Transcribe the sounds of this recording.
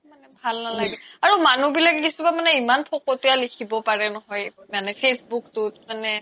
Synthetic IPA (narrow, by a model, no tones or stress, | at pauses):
manɛbʱalnalaɡbɛaɹumanubilakɛkisubamanɛimanpʰɔkotialikʰibɔpaɹɛnɔɦɔjmanɛpʰesbuktʊtmanɛ